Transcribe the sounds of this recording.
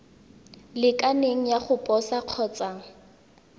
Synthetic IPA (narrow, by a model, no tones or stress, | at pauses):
lɪkʼaneŋ̩jaχʊpʼɔsaq͡χʰɔt͡sʼaːŋ̩